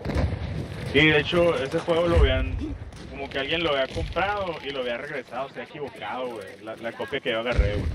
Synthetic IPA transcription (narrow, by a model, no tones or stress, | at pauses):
siðe̞et͡ʃo̞e̞se̞xwe̞ɣo̞loaβjianko̞mo̞ke̞alɣje̞nloaβjiako̞mpɾaðo̞ʔiloaβjiare̞ɣɾe̞saðostejaekiβo̞kaðo̞ɣwejlalako̞pjake̞ʝo̞aɣareɣwej